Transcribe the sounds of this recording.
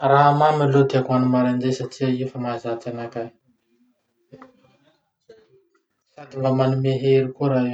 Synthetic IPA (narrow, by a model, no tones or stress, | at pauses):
raɦamamilod̪iakuanumaɾand͡ʒesaʈ͡ʂiaefəmazat͡sanaka | sad̪imbamanumeɦeɾikuɾa